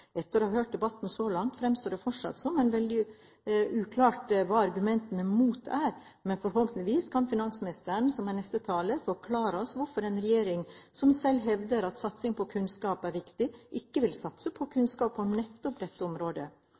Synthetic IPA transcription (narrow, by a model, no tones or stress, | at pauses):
ɛt̪ːəɾohɑɾhøːʈ̚d̪ɛbɑt̪ːn̩sɔlɑŋt̪fɾɛmst̪oːɖ̪ɛfɔʂɑ̰t̪sɔmɛnʋɛld̪ɪ | ʔʉːkʰlɑːʈʋɑːɑɾɡʉmɛnt̪ənəmuːt̪æːɾmɛnfɔɾɦɔlt̪n̩əʋiːskʰɑnfɪnɑnsmɪnɪst̪əɾɳsɔmænɛst̪ət̪ʰɑːləfɔɾkʰlɑːɾəɔsʋʊɾfɔɾɛnɾɛjeːɾɪŋsɔmsɛlːɦɛʋd̪əɾɑt̪sɑt̪sɪŋpʰɔkʰʉnskɑːpæɾʋɪkt̪ɪʔɪkːəʋɪlsɑt̪səpʰɔkʰʉnskɑːpɔmnɛt̪ːɔpd̪ɛt̪ːəɔmɾoːd̪ə̰